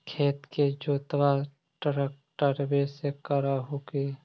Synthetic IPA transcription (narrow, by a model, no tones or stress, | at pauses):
kʰeːt̪ked͡ʒoːt̪ʋa | ʈɾək̚ʈəɾbesekəɾaɦokeː